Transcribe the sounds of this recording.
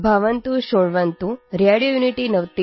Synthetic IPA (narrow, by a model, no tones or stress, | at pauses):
bʱaʋənt̪uɕoɭʋənt̪uɾjaɽijojuniʈinəʋt̪i